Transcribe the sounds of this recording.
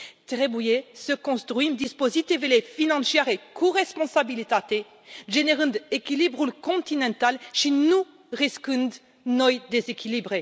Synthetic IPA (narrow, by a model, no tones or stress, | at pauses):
t̪ʁebujesəkɔ̃st̪χɥimd̪ispozit̪ivelefinɑ̃sjɛʁekʰɔʁɛspɔ̃sabilit̪at̪e | ʒeneʁỹnd̪ekʲilibʁulkɔ̃t̪inɑ̃t̪alʃinu | ʁiskỹnd̪ | nɔjd̪ezekʲilibʁe